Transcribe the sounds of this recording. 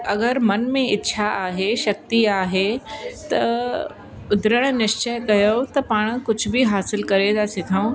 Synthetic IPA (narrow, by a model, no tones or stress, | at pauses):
ɐɡəɾmɐnmẽɪtːʃʰaaːɦeʃɐk̚t̪iaːɦet̪ɐ | ʊd̪ʱɾəɽ̃nɪʃt͡ɕəjkɐjot̪ɐpaːɽ̃kʊd͡ʑʱʊbɪɦaːsɪlkɐɾed̪asɪt̪ʰaːũ